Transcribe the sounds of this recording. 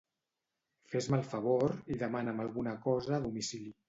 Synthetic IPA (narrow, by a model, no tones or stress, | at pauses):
fezmalˠfəβ̞oɾiðəmanəməlˠɣunəkɔzəːðumisili